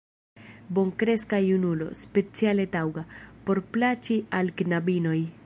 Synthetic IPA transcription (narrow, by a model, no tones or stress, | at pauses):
bo̞ŋkɾe̞skajunulo̞̰spe̞t͡siale̞t̪awɡapo̞ɾplat͡ʃialɡnabino̞j